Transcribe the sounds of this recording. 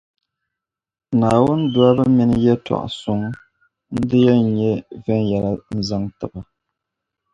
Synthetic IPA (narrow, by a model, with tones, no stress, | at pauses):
naː˨wu˦ndwa˦bə˦mi˦n˦jɛ˦twa̰˨ʔsu˦ŋ | n̩˦dɨ˦jɛ˦˨ɲe˦vɛ˦ŋja˨ɾa˨n̩˦zɨ˦ŋtɨ˨ba˨